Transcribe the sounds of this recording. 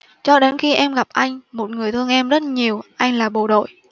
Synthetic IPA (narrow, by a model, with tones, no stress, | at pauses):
t͡ɕɔ˧ɗe˨˦nxi˧ʔɛ˧mɣa˨˩p̚ʔa˧jŋ̟mo˨˩t̚ŋɨ˨˩əjt̪ʰɨ˧əŋʔɛ˧mzə˦˥t̚ɲi˨˩əwʔa˧jŋ̟laː˨˩ɓo˨˩ɗo̰˧˨j